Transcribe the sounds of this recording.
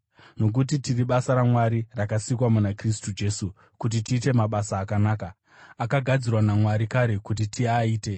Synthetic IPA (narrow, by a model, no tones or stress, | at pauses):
no̞k̬ut̬itiriɓasaɾamwaɾirakasikwamunakris̬tud͡ʒe̞su | kut̬itiːte̞maɓasaːkanaːka | akaɡʱad͡zirwanamwaɾikaɾe̞kut̬itʰiaiːte̞